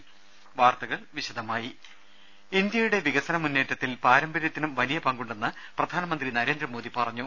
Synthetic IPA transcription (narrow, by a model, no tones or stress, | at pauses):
ʋaːrt̪ɐɣɐɭʋiɕɐd̪ʱɐmaːji | ind̪jɐjuɽe̞ʋiɣɐsɐnɐmunːe̞ːʈːɐt̪ːilpaːɾɐmbɐɾjɐt̪ːinumʋɐlijɐpɐŋɡuɳɖe̞nːɐ | prɐd̪ʱaːnɐmɐnd̪rinɐɾe̞ːnd̪ɾrɐmo̞ːd̪ipɐrɐɲːu